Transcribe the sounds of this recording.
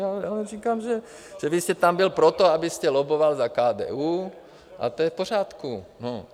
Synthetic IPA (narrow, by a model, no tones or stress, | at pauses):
aalɛriːkaːmʒɛ | ʒ̥ɛvɪst̪ɛt̪ambɪlpɾot̪oabɪst̪ɛlobovalzakaːd̪ɛ̰ːuː | ʔa̰t̪ojɛfpor̝aːt̪kuno